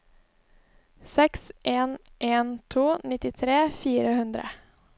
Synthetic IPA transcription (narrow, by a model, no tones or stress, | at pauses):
sɛksʔeːnʔeːnt̪ʰuːnɪt̪ɪt̪ʰɾeːfiːɾəhʉnd̪ɾə̰